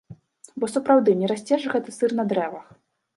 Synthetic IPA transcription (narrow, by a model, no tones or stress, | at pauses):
bɔsɐpɾawd̪ɨnʲɛɾasʲt͡sʲɛʐɨɣɛt̪ɨsɨrn̪ɐd̪ɾɛvɐx